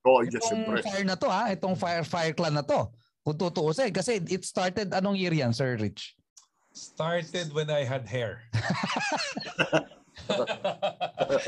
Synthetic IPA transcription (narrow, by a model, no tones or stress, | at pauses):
oʔɡɛŋfajɹnɐt̪o̞haʔɛt̪oŋfajɹfajɛɹklanːɐt̪o̞ | kʊŋt̪ut̪oʔosɛɛkɐsɛʔɪt̪st̪aɹt̪ɛd̪ɐnoŋjiɾjɐnsɛɹɾɪt͡ʃ | st̪aɹt̪ɛd̪wɛnajɦɐd̪̚hɛɹ